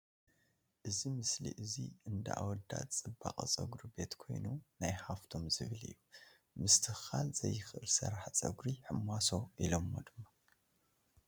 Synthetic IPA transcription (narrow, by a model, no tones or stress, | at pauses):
ʔɨzimɨslḭʔɨzḭɨnd̪ɐʔa̰wɔd̪a̰t̪ʼt͡sʼɨbːakʼɐt͡sʼɐɡɾibe̞t̪kʰo̞̰jnunajħaft̪ʰo̞mzɨβɨlɨ̰jːu | mɨst̪ʰɨxalz̥ɐjːɨxʔɨlsɐ̰ɾaħt͡sʼɐ̰ɡɾiħɨmːaso̞ʔilomːo̰d̪ɨmːa